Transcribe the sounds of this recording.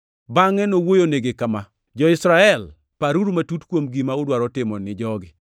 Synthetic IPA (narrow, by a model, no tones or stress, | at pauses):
baŋɛnowojoneɡekama | d͡ʒɔɪsɾaɛl | paɾuɾumatutkwomɡimaʊdwaɾɔtɪmɔnɪd͡ʒɔɡɪ